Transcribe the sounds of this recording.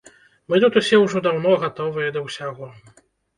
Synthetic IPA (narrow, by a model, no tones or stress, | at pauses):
mɨt̪ut̪usʲɛwʐɔd̪awn̪ɔɣat̪ɔvɨjɐd̪ɐwsʲaɣɔ